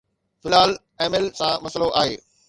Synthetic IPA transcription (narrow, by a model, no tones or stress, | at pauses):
fɪlaːl | ɛːmɪlsãmɐsloʔa̰ːɦḛː